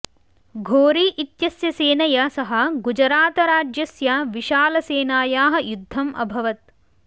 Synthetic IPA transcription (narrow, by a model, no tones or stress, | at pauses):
ɡʱoːɾiːʔit̪jɐsjɐseːnɐjɐsɐɦɐ̆ɡud͡ʒɐɾaːt̪ɐɾaːd͡ʒjɐsjaːʋiʃaːlɐseːnaːjaːɦɐ̆jud̪ʱːɐmʔɐ̰bʱɐʋɐt̪̚